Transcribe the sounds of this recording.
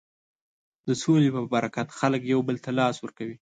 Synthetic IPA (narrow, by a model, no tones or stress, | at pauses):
d̪əsolepəbaɾakat̪xaləkjawbəlt̪alɑswəɾkawi